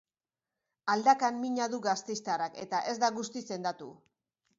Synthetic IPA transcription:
ald̪akammiɲaðuɣast̪e̞jst̪arake̞t̪aʔe̞zd̪aɣust̪ise̞nd̪at̪u

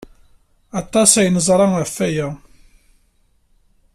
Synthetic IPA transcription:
ɑt̪ˤːɑsæjnəzˤɾˤɑəfːæjæ

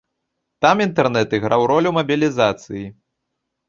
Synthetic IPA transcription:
t̪amint̪ɛrnɛt̪iɣɾawɾɔlʲumɐbʲilʲizat̪sɨji

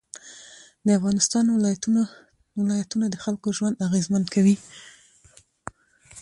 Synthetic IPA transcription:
d̪əafɣɑnɪst̪ɑnw | wɪlɑjat̪unad̪əxalkoʒwand̪aɣezmankʰawi

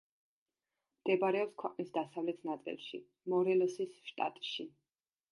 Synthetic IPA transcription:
md̪̥ɛbɾɛɔpskʰwɛqʼnisd̪asavlɛt̪ʰnat̪sʼḭlˠʃḭ | mɔɾɛlɔsisʃt̪ʼa̰t̪ʼʃi

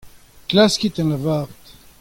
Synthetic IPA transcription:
klaskʲit̪ɛ̃nlavaʁt̪

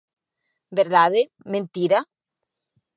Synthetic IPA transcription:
beɾðaðe | mẽnt̪iɾa

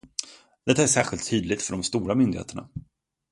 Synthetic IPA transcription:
d̪̥ɛt̪ːaæʂæːɧɪlt̪ʰːyːd̪lɪt̪fœɖɔmst̪uːɾamʏnd̪ɪhḛːt̪əɳa̰

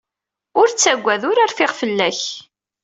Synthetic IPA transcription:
ʊɾt͡sːæɡʷːæðʊɾaɾfɪʁfəlːæç

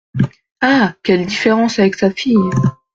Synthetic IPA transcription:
akʲɛld̪ifeʁɑ̃savɛksafij

